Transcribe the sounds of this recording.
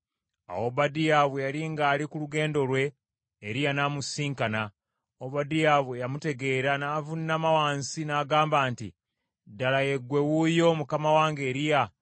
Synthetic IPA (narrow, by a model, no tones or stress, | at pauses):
a̰woβadijaβujaliŋɡaːlikuluɡe̞ːndo̞lwe̞ː | ɾijanaːmusiːŋkana | oβadijaβuejamute̞ɡe̞ːɾanaːvunːamawaːnsinaːɡaːmbaːntḭ | dalaje̞ɡwe̞wujo̞mukamawaːŋɡeːɾija